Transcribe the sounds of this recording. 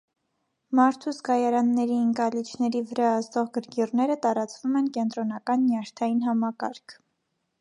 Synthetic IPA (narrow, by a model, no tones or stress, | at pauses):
mɑɾt̪ʰuzɡɑjɑɾɑnːɛɾiəŋkɑlit͡ʃʰnɛɾivəɾɑːst̪ɔʁɡəɾɡirnɛɾət̪ɑɾɑt͡svumɛnkɛnt̪ɾɔnɑkɑnːjɑʃt̪ʰɑjinɦɑmɑkɑ̰ɾkʰ